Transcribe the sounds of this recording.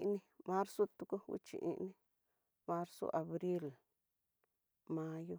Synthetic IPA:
ʔnĩ˧mã˦ɾso˦t̪u˧ku˦wḭ˦t͡ʃḭ˧ʔḭ˧ʔnĩ˦ | mã˦ɾso̰˦ʔa˨βɾi˦l | mã˦jo˦

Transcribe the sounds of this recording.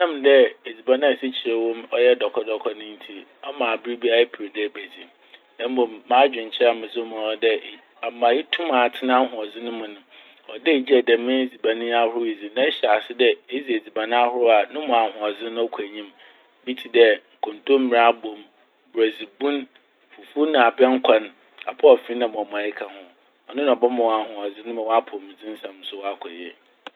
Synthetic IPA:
ã˦m˨dɛ˦e˨d͡zi˨ba˨nã˦˨si˦t͡ɕʰɪ˨e˨wɔ̃˦mɔ˦jɛ˦dɔ˨kʰɔ˦dɔ˨kʰɔ˦nʊ̃˦n̩˦tʰi˦ | ɔ˦mãː˨bɪ˦ɾi˦bi˦a˦e˦pʰi˨ɾi˨dɛ˦˨bæ˨d͡zi˨m | nã˦m˦bõ˨mːãː˦d͡ʑᶣɪ̃˨ɲ˨t͡ɕʰɪ˦a˨mɪ̃˨zʊ˦mã˨˦dɛ˦˨ | a˨˦mã˨jɪ˦tʰũ˦mã˨tʰɪ˦nã˦hʊ̃˨ɔ˨zɪ̃˦nʊ̃˦mʊ̃˨nʊ̃˨ | ɔ˨dɛ˦˨d͡ʑɛ˨dɛ˨mɪ̃˦e˦d͡zi˨ba˨nɪ̃˦a˦hʊ˦ʊ˦i˨d͡zi˨nã˦ɕa˨sɪ˦dɛ˦e˦zi˨e˨d͡zi˨ba˨nã˦a˦hʊ˦ɾʊ˦a˨nʊ̃˦mʊ̃˨a˨hʊ̃˨ɔ˨d͡zɪ˦nʊ̃˦ɔ˦kʷʰæ˨ɲĩ˦m | bi˦tʰi˨dɛ˦ŋ̩˨kʰʊ̃˨ntʰo˦m̩˦mĩ˨ɾa˦bõ˨m | bɾæ˨d͡zi˨bũ˦n | fu˨fu˦nã˨a˨bɛ̃˦ŋ̩˦kʷʰa˦n | a̰˨pʰɔ˦ɔ˨fi˦nã˨mʊ̃˨ɔ˨m̃˨a˨ɪ˦kʰa˨hʊ̃˨ | ɔ˨nʊ̃˦ñ˨ɔ˨bɔ˦mã˨wa˨hʊ̃˨ɔ˨d͡zɪ˦nʊ̃˦mã˨wɔ˦a˦pʰʊ˨mɪ̃˨d͡zɪ̃˦n̩˦sã˨m˦sʊ˦wɔ˦a˦kʷʰɔ̰˨ɛ̰˨

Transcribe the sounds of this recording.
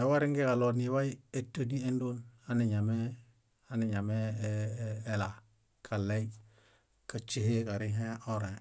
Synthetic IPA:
e˨wa˦ɾi˦ŋɡe˦ka˨lo˨ni˨wa˦ji˦e˨tːa˦di˦e˦ndo˦na˦ni˨ɲa˨me˦ | a˨ni˨ɲa˨meː˦ | la˨ | kʰa˨lːe˦i | ka˨t͡ʃi˦he˦ka˨ɾi˦ɦe˦ʔo˦ɾẽ˨

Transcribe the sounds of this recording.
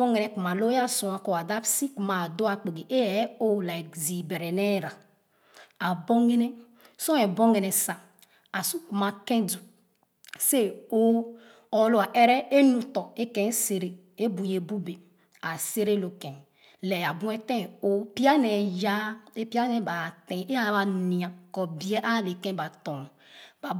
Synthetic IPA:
bɔ˦ŋe˨nɛ˨ku˨ma˨lo˦ja˦sũ˨a˨ko˨a˨da˦bsi˦ku˨ma˨do˦a˨k͡pe˨ɡe˨ʔe˦ɛ˨˦o˦la˨kzi˨be˨ɾɛ˨nɛ˦˨ɾa˨ | a˨bo˦ŋe˦ne˦ | sɔ˦ɛ˨bɔ˦ŋe˨nɛ˨sa˨ | a˨su˦ku˨ma˨kẽ˦du˨ | se˦o˦ | ɔ˨˦lo˦a˨ʔe˦ɾɛ˦e˦nu˨tɔ˨e˦kɛ̃˨˦se˨ɾe˨ | e˦bu˨je˨bu˦be˨ | a˨se˦ɾe˦lo˨kɛ̃˨ | lɛ˨a˨bũ˦ɛ˦tɛ̃˦˨o˦pi˦a˦nɛ˨ja˦e˦pi˦a˦nɛ˨ba˨tɛ̃˨e˦a˨˦ba˨ni˨a˨kɔ˨bi˦e˦ʔa˦˨le˨kɛ̃˦ba˨tɔ̃˨ | ba˨

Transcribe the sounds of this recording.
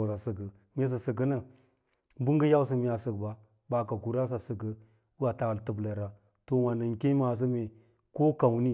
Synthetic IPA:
sa˨sə˨ɡə˨ | me˦s̬ə˨sə˨ɡə˦nə˦ | bu˦ŋɡə˦ja˦ws̬ə˨mi˨a˨sə˨kba˨ | ba˨ka˨ku˨ɾa˦s̬a˨sə˨ɡə˨ | u˦a˨ta˨wltə˨blə˨ɾa˨ | to˨wa˨nə˨ŋke˦ma˨s̬ə˦me˨ | ko˦ka˨wni˦

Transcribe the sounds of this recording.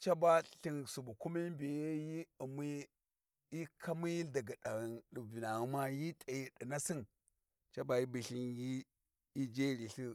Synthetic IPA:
t͡ʃa˦ba˦ɬi˦ŋsu˨bu˨ku˦mi˦mbi˨je˦ji˦u˨mi˦ | i˦kʰa˦mi˦da˨ɡa˨da˨ɣndu˨bi˨na˨ɣu˨ma˦ji˦tʼa˨ji˨ɗi˨na˦si˦n | t͡ʃa˦ba˨ji˦bi˨ɬi˦nji˦ | i˦d͡ʒe˦ɾi˨ɬi˦

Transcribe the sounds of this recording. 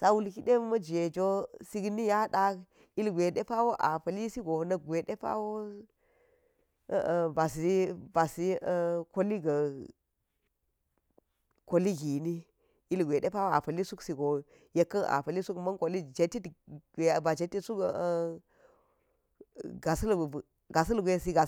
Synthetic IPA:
sa˦wu˦lki˦ɗe˦mɐ˦d͡ʒe˨d͡ʒo˦si˦ɡni˦ja˦ɗa˦k | i˦lɡʷe˨ɗe˦pa˦wo˦ʔa˨pɐ˨li˦si˦ɡo˨nɐ˦˨ɡʷe˨ɗe˦pa̰˦wo˦˨ | ba˨si˨˦ba˨si˦˨ko˦li˦ɡɐ˨ | ko˦li˦ɡi˨ni˦ | i˦lɡʷe˨ɗe˦pa˦wo˦a̰˨pɐ˨li˦su˦ksi˨ɡo˨ | je˦kːɐ˦nʔa̰˨pɐ˨li˦su˦kmɐ˦nko˨li˦d͡ʒe˨ti˦tɡe˨ba˨d͡ʒe˨tːi˦su˦k | ɡa˨sɐ˦l | ɡa˨sɐ˦lɡʷe˦si˦ɡa˨

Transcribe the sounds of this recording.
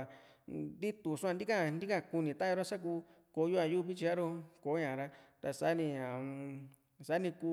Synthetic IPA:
d̪i˦t̪u˨su˦ã˧nd̪i˦ka˦nd̪i˦ka˦˧ku˧nĩ˧˨t̪a˦o˧ɾa˦sa˦k̬uː˧˦ | ko˧˦ju˦a˧ju˦˧βi˦t͡ʃi˧a˦ɾo˦ko˨˦ɲã˨ɾa˧t̪a˧sa˨˦nĩ˧ã˨ | sa˨˦nĩ˧ku˧

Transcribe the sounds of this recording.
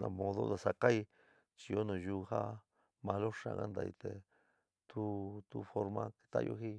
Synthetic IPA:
nã̰˧mõ˧ðo̰˦d̪a˨sa˧ka˦i˧ | t͡ʃi˧jo˦nõ˨ju˧ha˦ | mã˧lo˦ʂã̰˨ɣa˦nd̪a̰˧ḭ˧t̪e˨ | t̪ʰu˦t̪u˦fo˧ɾmã˧ke̥˧t̪a̰˦jo̰˧ɦi˦

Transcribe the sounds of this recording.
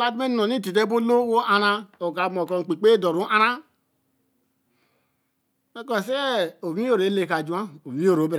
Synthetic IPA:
la˦tme˦n˨no˨ni˦ti˨te˦bo˦lo˦wo˦ʔa˨ɾa˦o˨ka˨mɔ˨kɔ˨ŋ̩˨k͡pi˨k͡pe˦dɔ˨ɾu˨˦ʔa˦ɾa˦ | me˦kɔ˨sɛ˦o˨mĩ˦o˦˨ɾe˨˦le˨ka˨d͡ʒa˦˨o˨mĩ˦o˦ɾo˨˦be˦ɾ

